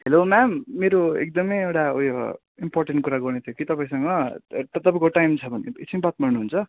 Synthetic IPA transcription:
helomamːeɾoek̚d̪ʌmʌjewʈaojo | imporʈeɳʈ̚kuɾaɡʌrnet̪ʰjokit̪ʌpaĩsʌŋɡʌʌt̪ʌpãĩkoʈajmt͡sʰʌbʌnḭsʰimbat̪mʌɾnuɦnt͡sʰʌ

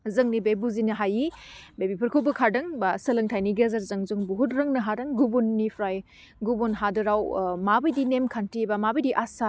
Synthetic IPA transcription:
zɐŋnibebuzinɐɦajibebipʰɐɾkʰobukʰaɾdɐŋbasɐlɐŋtʰajniɡezɐɾzɐŋzuŋbuɦutɾɐŋnɐɦadɐŋɡubunːipʰɾaj | ɡubunɦadɯɾawmabɐjdinemkʰantibamabɐjdiʔasa

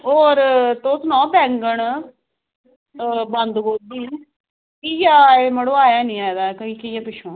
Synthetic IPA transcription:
oːɾt̪oːsnɔ̃ːbɛ̃ːŋɡəɳ | bənd̪ɡoːd̪iː | kiːjaːeməɽoːaːjaːnĩːaːd̪aːkəĩːkiːjaːpɪʃʰõː

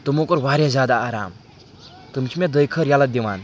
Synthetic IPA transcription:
t̪umokɔɾwaɾjazad̪aːɾa̰m | t̪umt͡ʃʰimed̪əjkʰəɾjalad̪iwan

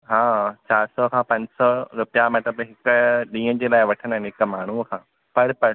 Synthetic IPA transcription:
ɦãːt͡ɕaːɾsɔkʰãːpɐ̃ɲd͡ʑsɔɾʊpijamɐt̪əbɦɪkɗĩːə̃d͡ʑeːlaːɪʋɐʈʰə̃nɪnɦɪkmaːɳ̤ukʰãː | pɐɾpɐɾ

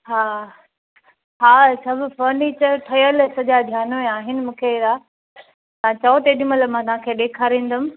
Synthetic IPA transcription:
ɦaː | ɦaːsʰɐbfəːɾneːt͡ɕəɾʈ̪ʰɐjəlsɐʄad̪ʱjaːnmeaːɦɪnɪ̆mũːkʰeɾa | t̪ãt͡ɕɐot̪eːɗɪməlmãt̪ɐʋ̤ãkʰeːɗeːkʰaːɾĩːn̆d̪ʊm̆

